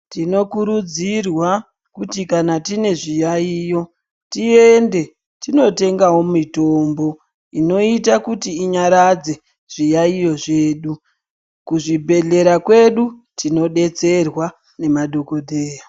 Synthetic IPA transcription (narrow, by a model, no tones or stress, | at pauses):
tino̞kuɾud͡zirwa | kutikanatine̞ʐijaijo̞ | tiende̞ | tino̞te̞ŋɡawo̞mito̞ːmbo̞ | ino̞itakutiːɲaɾad͡ze̞ | ʐ̥ijaijo̞ʐe̞ːɗu | kuʐibʱe̞ɮe̞ɾakwe̞ɗutino̞ɗe̞t͡se̞rwa | ne̞madʱo̞ko̞dʱeːja